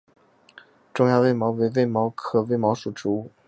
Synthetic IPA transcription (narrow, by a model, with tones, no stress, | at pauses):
ʈ͡ʂʊ˥ŋjɑ˥˧ʊwe˥˩ɪmɑ˧˥ʊwe˧˥ɪwe˥˩ɪmɑ˧˥ʊkʰɤ˧˨˩we˥˩ɪmɑ˧˥ʊʂu˨˩ʈ͡ʂɻ̩˧˥u˥˩